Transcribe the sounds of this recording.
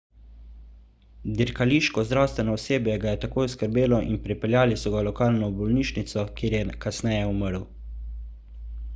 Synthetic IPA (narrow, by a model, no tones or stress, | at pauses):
d̪iɾkaliːʃkɔzd̪ɾawst̪ʋɛnɔɔseːbjɛɡajɛt̪akoːjɔskəɾbeːlɔʔinpɾipɛljaːlisɔɡalɔkaːlnɔbɔlniːʃnit̪sɔkeːɾjɛkasnɛjɛuməɾw